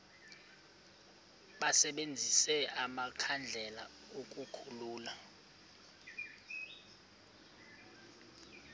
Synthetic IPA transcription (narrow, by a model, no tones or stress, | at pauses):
ɓasɛɓend͡zʱisɛamakʰand͡ɮʱɛla | okʼukʰuluːla